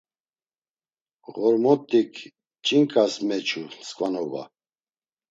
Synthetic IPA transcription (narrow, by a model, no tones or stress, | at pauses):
ɣɔɾmɔt̪ʼːikʰ | t͡ʃʼiŋkʼasmɛt͡ʃʰuskʼvanɔba̰